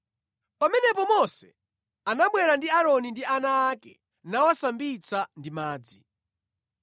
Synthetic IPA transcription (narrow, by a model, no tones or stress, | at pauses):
pamɛnɛpɔmɔsɛ | anaɓwɛɾandiaɾɔnindianaːkɛ̰ | nawasambit͡sʰandimaːd͡zi